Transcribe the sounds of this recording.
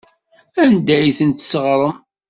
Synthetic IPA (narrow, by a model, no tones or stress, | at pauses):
ænd̪æjθənt̪səʁɾˤəm